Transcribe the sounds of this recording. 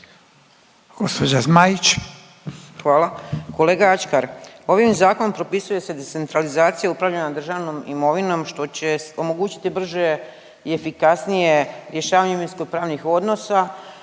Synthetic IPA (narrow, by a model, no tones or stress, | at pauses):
ɡ̥ospod͡ʑazmait͡ʃ | xʋaːlako̞le̞ːɡaat͡ʃkaɾo̞ʋimzaːko̞nompɾo̞pisuje̞sed̪et̪e̞nt̪ɾalizaːt̪sijaupɾaʋʎanad̪r̩ʒaʋno̞mḭmo̞ʋino̞mʃt̪o̞t͡ɕe̞o̞mo̞ɡuːt͡ɕi̥t̪ibr̩ʒe | ie̞fikasnije̞ɾje̞ʃaːʋaɲeminskopɾaːʋnixo̞d̪no̞sa